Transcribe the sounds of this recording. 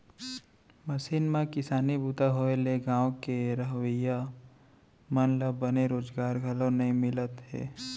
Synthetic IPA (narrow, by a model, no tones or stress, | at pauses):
mɐsiːnmẽkɪsaːnibuːt̪aɦoːeleɡãːʋokeɾəɦʋəja | mənləbːəneɾoːd͡ʒɡaːɾɡʱɐlõnɐɦĩmɪlət̪ɦɛ̰ː